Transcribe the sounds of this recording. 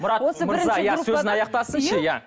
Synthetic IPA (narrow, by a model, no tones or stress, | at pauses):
mʊɾɑt̪mʊɾzɑjɑsɵɪnɑjɑq̚t̪ɑsənʃəjæ